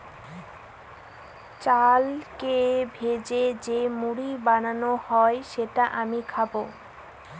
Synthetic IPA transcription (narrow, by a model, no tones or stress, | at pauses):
t͡ɕalkebʱed͡ʑed͡ʑemuɽibananohɔeʃeʈaʔamikʰabo